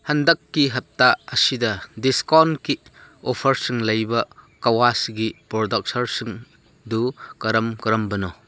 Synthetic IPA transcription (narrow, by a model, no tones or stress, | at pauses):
hɐndɐkːiɦɐt̚taɐsidɐdiskɔnkiɔpʰɐɾsɯŋlɐjbɐkawasɡipɾɔdɐk̚sɐɾsɯŋ | dukɐɾɐmkɐɾɐmbɐnɔ